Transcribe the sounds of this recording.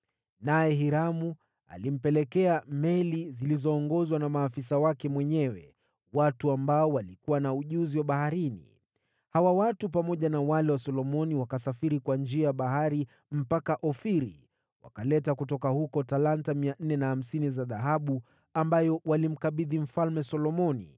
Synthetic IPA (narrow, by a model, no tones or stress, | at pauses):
najɛɦiɾamu | a̰lim̩pɛlɛkɛamɛlizilizɔːŋɡɔzwanamaːfisawakɛmwɛɲɛwɛ̰ | watuambaɔwalikuwanauʄuziwaɓahaɾinḭ | hawawatupamɔʄanawalɛwasɔlɔmɔniwakasafiɾikwand͡ʒiajɓaɦaɾi | m̩pakaʔɔfiɾḭ | wa̰kalɛtakutɔkahukɔtalantamian̩nɛnaham̩sinizaðaɦaɓu | ambajɔwalim̩kaɓiðim̩falmɛsɔlɔmɔnḭ